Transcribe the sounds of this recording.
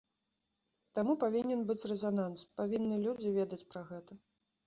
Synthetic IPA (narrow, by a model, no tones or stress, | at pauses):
t̪amupavʲinʲɛnbɨt͡sʲrɛzananspavʲinːɨlʲud͡zʲivʲeɛd̪ɐt͡sʲpɾɐɣɛt̪ɐ